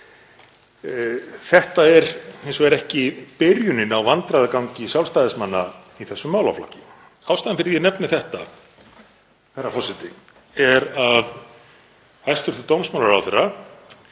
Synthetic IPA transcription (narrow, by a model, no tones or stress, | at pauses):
θɛht̪aɛɾhejnsɔɛɾɛhcɪpɪɾjʏnɪnawvant̪ɾaðakawɲcɪsjawlst̪aːðɪsmanːa | iθɛsːʏmːaːwla̰wfla̰hcɪ | awst̪aðɪmfɪɾðjɛnɛpnɪθɛht̪a | θɛrːafɔsɪt̪ɪ̰ | ɛɾað | hajst̪ʏɾ̥t̪ʏt̪owmsmawlaɾawθɛrːa